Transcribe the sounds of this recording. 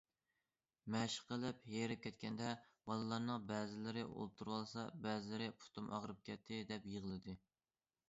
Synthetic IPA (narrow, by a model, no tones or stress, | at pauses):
mɛʃqʰəlˠɪpheɾɪp̚kʲɛt̪kʲʰɛnd̪ɛbɑlˠɨlˠɑɾnɨŋbɛːzɪlɪɾɪʔo̰lˠt̪ʰuɾwɑlˠsɑbɛzɪlɪɾɪpʰu̥t̪ʰumʔɑ̰ʁɾɨp̚kʲɛt̪ʰːɪd̪ɛpjəʁəlˠɨd̪ɨ